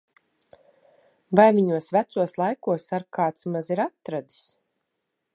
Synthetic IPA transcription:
vajviɲuɔsvæt̪suɔslˠajkuɔsaɾkaːt̪smaziɾat̪ːɾad̪i̥s

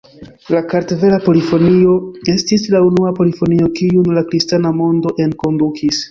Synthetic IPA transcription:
lakaɾteve̞lapo̞lifo̞nio̞e̞stislaunuapo̞lifo̞nio̞kiunlakɾistanamo̞ndo̞ʔe̞nko̞ndukʰis

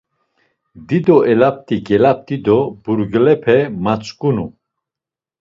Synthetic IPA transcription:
d̪id̪ɔɛlap̚t̪ʼiɡɛlap̚t̪ʼid̪ɔbuɾɡlɛpʰɛmat͡sʼkʼunu

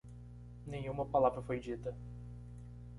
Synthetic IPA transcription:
nẽj̃ũmɐpalavɾɐfojd͡ʒit̪ɐ

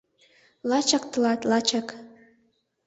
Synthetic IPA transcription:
lɑt͡ʃɑk̚t̪əlɑt̪lɑt͡ʃɑk

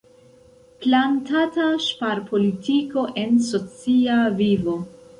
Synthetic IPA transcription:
plantataʃpaɾpʰo̞litiko̞ʔe̞nso̞t͡siavivo̞

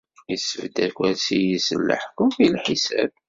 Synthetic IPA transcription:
jəsəvd̪ækʷæsijəsəlːə̰ħkʊfilħisæ̰b̚

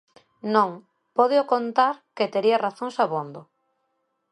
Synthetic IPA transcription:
nõŋ | poðeokont̪aɾket̪eɾiaraθõŋsaβond̪o

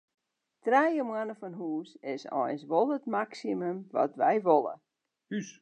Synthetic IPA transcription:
trɛjəmwanəfɔnɦuːsɪsɔ̰jnsʋolˠətmaksimymʋɔ̰tʋɛjʋolˠə̰ | ys

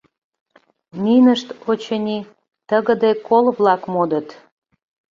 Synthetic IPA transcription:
mʲinəʃt̪ot͡ɕənʲi | t̪əɣə̆d̪ekolβlɑkmod̪ət̪

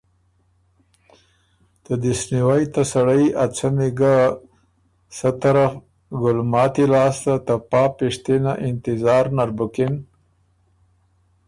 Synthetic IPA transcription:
t̪əd̪isniwajt̪asaɽəjat͡sameɡa | sət̪aɾaf | ɡʊlmɑːt̪ilɑːst̪at̪apɑːpiʂt̪enaʔɪnt̪ɪzɑːɾnaɾbʊkɪn

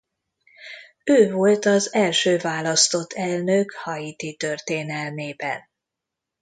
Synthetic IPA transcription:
øːvo̞lt̪ɒzɛlʃøːvaːlɒst̪o̞t̪ʰːɛlnøkhɒjit̪it̪ørt̪eːnɛlneːbɛ̰n

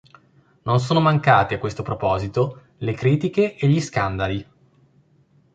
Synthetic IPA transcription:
nons̬oːnomaŋkaːt̪eakːwest̪opɾopɔːzit̪o | lekɾiːt̪ikeʔːʎːiskand̪ali

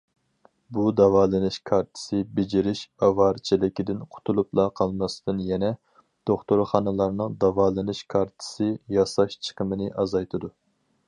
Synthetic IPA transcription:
bud̪ɑvɑːlˠɨnɨʃkʰɑɾt̪ʰɨ̥sɨbɪd͡ʒiɾɪʃɑvɑɾt͡ʃʰilɪkʲid̪ɪnqʰʊ̥t̪ʰulˠuplˠɑqʰɑlˠmɑsɨd̪ɨnjɛnɛ | d̪̥oχt̪oɾχɑnɨlˠɑɾnɨŋd̪ɑvɑːlˠɨnɨʃkʰɑɾt̪ʰɨ̥sɨjɑsɑʃt͡ʃʰə̥qʰəmɨnɨʔɑzɑjt̪ʰɨd̪u

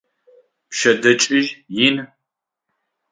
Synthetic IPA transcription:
pʃɐdɐt͡ʃʼɪʒjɪn

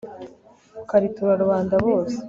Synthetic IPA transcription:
kaɾituɾaɾuβaːndaβo̞ːse̥

